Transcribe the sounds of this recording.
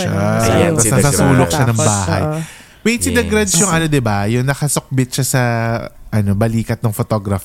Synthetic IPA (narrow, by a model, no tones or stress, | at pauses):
ʃat̪ɐsnɐsɐsuːlok̚ʃanɐŋbaːɦɐ̰j | mɛt͡ʃɪd̪ɐɡɾɐd̪ʃʊŋʔɐno̞d̪ɪbajʊŋnɐkɐsok̚bɪt̪̚ʃasɐʔɐno̞bɐliːkɐt̪̚nɐŋfɔt̪oːɡɾɐf